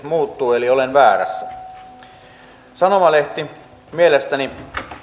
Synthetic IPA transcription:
muːt̪ːuːeliolenʋæːɾæ̰sːæ | sɑnomɑleht̪i | mielest̪æni

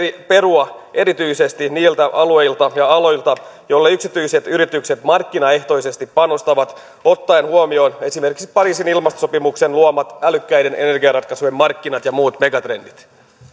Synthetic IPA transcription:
ipe̞ruɑʔe̞ɾit̪yise̞st̪iniːlt̪æʔɑlue̞jlt̪ɑjɑɑlo̞jlt̪ɑjo̞lːɑyksit̪yiset̪yɾit̪ykset̪mɑrkːinɑe̞ht̪o̞ise̞st̪ippɑno̞st̪ɑʋɑt̪ | o̞t̪ːɑenhuomio̞ːne̞sime̞rkiksi̥pɑɾiːsinilmɑst̪osopimukse̞nluomɑt̪ælykːæjde̞nʔe̞̰ne̞rɡiɑrɑt̪̚kɑsuemːɑrkːinɑt̪jɑmuːt̪me̞ɡɑt̪re̞ndit̪

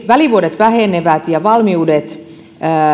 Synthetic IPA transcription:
ʋæliʋuodet̪ʋæheneʋæt̪jɑʋɑlmiudet̪ː

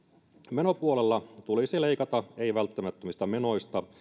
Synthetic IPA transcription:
me̞no̞puolelːɑt̪ulisile̞ikɑt̪ɑe̞iʋælt̪ːæmæt̪ːømist̪ɑmeno̞jst̪ɑ

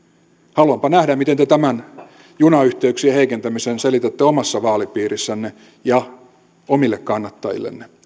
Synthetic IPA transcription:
hɑluɑmpɑnæhdæmit̪ent̪et̪æmæn | junɑyht̪eyksieheikent̪æmisenselit̪et̪ːeomɑsːɑʋɑːlipiːrisːænːe | jɑ | omilːekkɑnːɑt̪ːɑjḭlːḛnːe

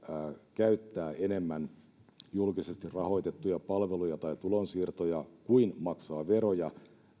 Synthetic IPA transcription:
kæyt̪ːæːene̞mːæn | julkisest̪irrɑho̞it̪et̪ːujɑpɑlʋelujɑt̪ɑit̪ulonsiːrt̪ojɑkuinmɑksɑːʋeɾojɑ

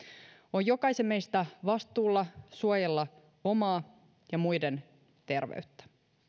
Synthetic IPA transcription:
ojo̞kɑjsemːejst̪æʋɑst̪uːlːɑsuojelːɑ | o̞mɑː | jɑmujde̞n | t̪e̞rʋḛɥt̪ːæ̥

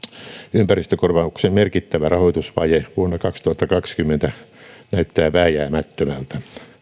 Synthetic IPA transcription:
ympærist̪økorʋɑuksemmerkit̪ːæʋærɑhoit̪usʋɑjeʋuonːɑkɑkst̪uhɑt̪ːɑkɑkskymːent̪ænæyt̪ːæːʋæːjæːmæt̪ːømælt̪æ

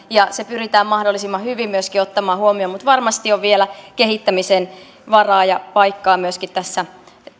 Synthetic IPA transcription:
jɑsepyrit̪æːmmɑhdolːˑisimːɑhyʋimmyøskiot̪ːɑmɑːhuomiomut̪ʋɑrmɑst̪ioʋʋielækehit̪ːæmisen | ʋɑrɑːjɑpɑikːɑːmyøskit̪t̪æsːæ

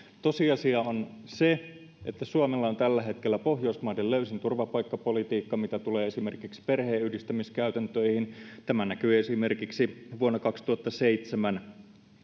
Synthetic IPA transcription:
t̪o̞siɑsiɑonse | ʔet̪ːæsuɑmelːɑont̪ælːæɦe̞t̪kelːæpo̞ɦjoismɑːdelløysint̪urʋɑpɑjkːɑpo̞lit̪iːkːɑmit̪æt̪uleːesime̞rkiksi̥pe̞rheːyhdist̪æmiskæyt̪ænt̪øihint̪æmænækyːesime̞rkiksiʋuonːɑkɑkst̪uhɑt̪ːɑseit̪semæn

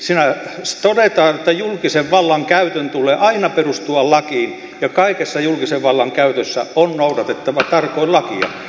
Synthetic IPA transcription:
sinæst̪odet̪ɑːjot̪ːæjulkiseʋʋɑlːɑŋkæyt̪ønt̪uleːʔɑinɑperust̪uɑllɑkiːn | jɑkɑikesːɑjulkiseʋʋɑlːɑŋkæyt̪øsːæ̰onnoudɑt̪et̪ːɑʋɑt̪ɑrkoilɑkiɑ̰

